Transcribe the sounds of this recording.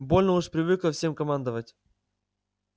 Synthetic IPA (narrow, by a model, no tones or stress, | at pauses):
bo̞lʲnəuʂpɾʲɪvɨklˠəfsʲe̞mkɐmand̪əvətʲ